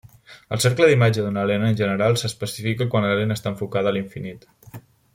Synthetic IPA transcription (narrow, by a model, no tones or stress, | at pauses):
əlˠseɾkləðimad͡ʒəðunəlenəːnʲʒənəɾalˠsəspəsifikəkwanləlenəːst̪aə̃ɱfukaðəliɱfinit̪